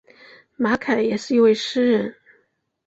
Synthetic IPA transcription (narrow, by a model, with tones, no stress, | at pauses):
ma˧˥kʰa˨˩ɪjɛ˨˩ʂɻ̩˥˩i˧˥nwe˥˧ɪʂɻ̩˥ɻə˥˩n